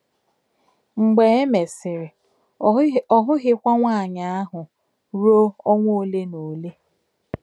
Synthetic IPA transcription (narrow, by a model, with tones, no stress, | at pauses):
ŋ͡m̩˨ɡ͡be˨e˦me˨sɪ˨ɾɪ˨ | ɔ˦˨ɦʊ˦ɦɪ˦kʷa˦ŋʷa˦a˨ɲa˨a˦ɦʊ˨ | ɾo˦ɔ˦ŋʷo˦˨le˦no˨le˦